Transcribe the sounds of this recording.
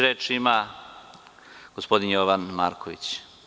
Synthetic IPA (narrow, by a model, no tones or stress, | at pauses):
ɾeːt͡ʃima | ɡ̥ospod̪injoʋanmaːɾkʰoʋḭt͡ɕ